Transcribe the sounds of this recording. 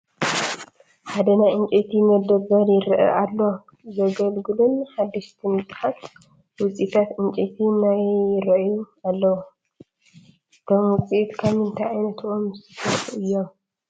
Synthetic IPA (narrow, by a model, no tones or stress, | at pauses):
ħad̪ɐnajɨnt͡ʃʼet̪ʰimɐd̪ɐbɐɾjɪɾɐʔɐ̰ʔalːo | zɐɡɐlɡɨlunħad̪ːiʃt̪ʰimɨsʼħat̪ | wʊt͡sʼit̪ʰat̪ɨnt͡ʃʼet̪ʰinajɪɾɐʔjualːɐwu | ʔɨt̪ʰo̞mwʊt͡sʼiʔt̪kʰamɨnt̪ʰajajnɐt̪ʰomzɨɨt̪ʰɐħuɨjːo̞m